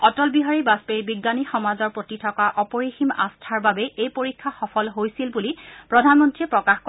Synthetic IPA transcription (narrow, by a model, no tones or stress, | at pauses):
ɔtɔlbiɦaɹibaspeɹbiɡːanixɔmazɔɹpɹotitʰɔkaʔɔpɔɹixima̰stʰaɹbabɛʔejpoɹikʰːaxɔfɔlɦojsilbulipɹɔdʱanmɔntɹiɛpɹɔkaxkɔ